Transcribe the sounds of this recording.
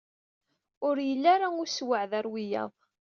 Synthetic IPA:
ʊɾjəlːaɾaʊswəʕðæɾwijɑ̰ðˤ

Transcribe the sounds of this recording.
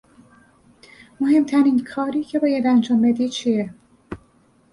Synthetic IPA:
moɦe̞mt̪ʰæɾiːnkʰɒːɾiːcʰe̞bɒːjæd̪ænd͡ʒɒːmbed̪iːd̪̚t͡ʃʰiːe

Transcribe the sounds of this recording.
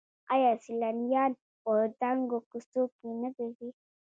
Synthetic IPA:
a̰jasilanjan | ɔdaŋɡokusopunəbevi

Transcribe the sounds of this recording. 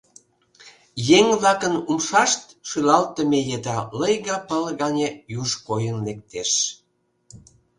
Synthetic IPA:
jeŋβlɑkənumʃɑʃt̪ʃylɑlt̪ə̆mejed̪ɑləjɣɑpəlɣɑnʲejuʃkojənlek̚t̪eʃ

